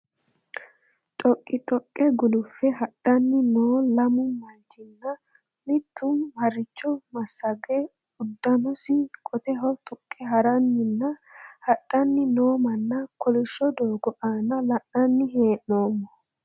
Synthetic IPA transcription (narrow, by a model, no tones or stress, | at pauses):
tʼɔkʼːɪtʼɔkʼːɛɡʊlʊfːɛɦɐɗːɐnːɪnoːlɐmʊmːɐnt͡ʃːɪnːɐ | mɪt̪ːʊmhɐɾːɪt͡ʃːɔmɐsɐɡɛ | ʊd̪ːɐnɔsɪkʼɔt̪ɛɦɔt̪ʊkʼːɛɦɐɾɐnːɪnːɐhɐɗːɐnːɪno̞ːmɐnːɐkɔlɪʃːɔd̪o̞ːɡɔʔaːnɐlɐʔɐnːɪheːʔno̞ːmːɔ